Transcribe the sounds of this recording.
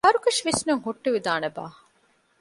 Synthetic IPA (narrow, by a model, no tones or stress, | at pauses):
ɐɾukɐʃʋisnuŋɦuʈːuʋid̪aːneba̰ː